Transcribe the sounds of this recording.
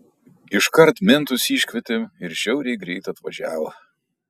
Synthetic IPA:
ɪʃkɐɾt̪mʲɪnt̪ʊsiːʃʲkʲʋʲɛt̪ʲeɪɾʒʲɛʊɾʲɛɪɡɾʲɛɪt̪ɐt̪ʋɐʒʲæːʋo

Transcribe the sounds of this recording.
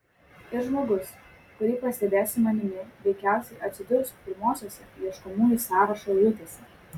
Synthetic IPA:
ɪɾʒmoːɡʊs | kʊɾʲiːpɐsʲt̪ʲɛd̪ʲæːsʲɪmɐnʲɪmʲɪʋʲɛɪkʲæˑʊsʲɛɪʔɐt̪ʲsʲɪd̪ʲʊɾʊspʲɪɾmoːsʲoːsʲɛlʲiɛʃkɔmuːnʲiːˑsɑːɾɐʃolʲʊt̪ʲeːsʲɛ

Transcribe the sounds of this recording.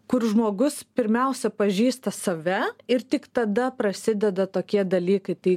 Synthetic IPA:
kʊrʒmoːɡʊspʲɪɾʲmʲɛʊsʲɛpɐʒʲiːst̪ɐsɐʋʲɛɪɾt̪ʲɪkt̪ɐd̪ɐpɾɐsʲɪd̪ʲɛd̪ɐt̪oːkʲiɛd̪ɐlʲiːkɐɪt̪ɐɪ

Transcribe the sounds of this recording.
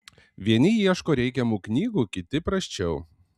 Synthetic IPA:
ʋʲiɛnʲɪjiɛʃkoːɾʲɛɪkʲɛmuːknʲiːɡuːkʲɪt̪ʲɪpɾɐsʲt͡ʃʲɛʊ

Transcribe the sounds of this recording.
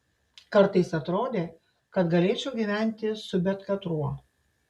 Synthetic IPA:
kɐɾt̪ɐɪsɐt̪ɾoːd̪ʲeː | kɐt̪ɡɐlʲeːt͡ʃʲɛʊɡʲiʋʲæˑnʲt̪ʲɪsʊbʲɛt̪kɐt̪ɾuɔ

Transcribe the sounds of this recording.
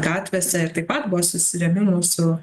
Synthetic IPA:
ɡɑːt̪ʲʋʲɛsʲɛɪɾt̪ɐɪpɐt̪̚bʊʋoːsʊsʲɪɾʲɛmʲɪmuːsʊ

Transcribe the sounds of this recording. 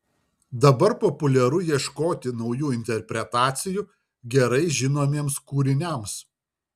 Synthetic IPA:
d̪ɐbɐɾpɔpʊlʲɛɾʊjiɛʃkoːt̪ʲɪnɒʊjuːɪnʲt̪ʲɛɾʲpʲɾʲɛt̪ɑːt̪sʲɪjuː | ɡʲɛɾɐɪʒʲɪnoːmʲiɛmskuːɾʲɪnʲɛˑms

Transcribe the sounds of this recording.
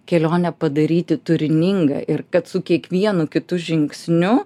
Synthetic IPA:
kʲɛlʲoːnʲɛpɐd̪ɐɾʲiːt̪ʲɪt̪ʊɾʲɪnʲɪŋɡɐ̰ʔɪrkɐt̪sʊkʲiɛkʋʲiɛnʊkʲɪt̪ʊʒʲɪŋksʲnʲʊ

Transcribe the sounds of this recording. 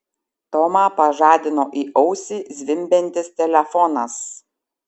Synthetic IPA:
t̪ɔmɑːpɐʒɑːd̪ʲɪnoːʔiːʔɔʊsʲiːzʲʋʲɪmʲbʲɛnʲt̪ʲɪst̪ʲɛlʲɛfɔnɐs

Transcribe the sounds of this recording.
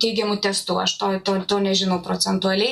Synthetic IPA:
t̪ʲɛɪɡʲɛmʊt̪ʲɛst̪uːɐʃt̪oːjt̪oːt̪oːnʲɛʒʲɪnɐʊpɾoːt͡s̪ʲɛnt̪uɐlʲɛɪ

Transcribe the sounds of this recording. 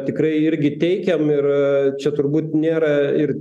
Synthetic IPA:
t̪ʲɪkrɐɪɪɾʲɡʲɪt̪ʲɛɪkʲɛmɪrt͡ʃʲɛt̪ʊrbuːt̪nʲeːɾɐɪr

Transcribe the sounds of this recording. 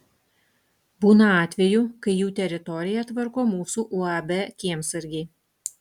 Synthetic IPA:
buːnɐɑːt̪ʲʋʲɛjuːkɐɪjuːt̪ʲɛɾʲɪt̪ɔɾʲɪjɛt̪ʋɐɾkoːmuːsuːʔuɑbʲɛkʲiɛmsɪɾʲɡʲeː

